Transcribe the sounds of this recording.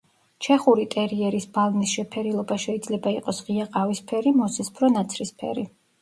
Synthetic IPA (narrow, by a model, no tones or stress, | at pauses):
t͡ʃʰɛχuɾit̪ʼɛɾiɛɾisbalˠnisʃɛpʰɛɾilˠɔbaʃɛid̪zlɛbaiqʼɔsʁiaqʼavispʰɛɾimɔsɛspʰɾɔnat̪sʰɾispʰɛ̰ɾi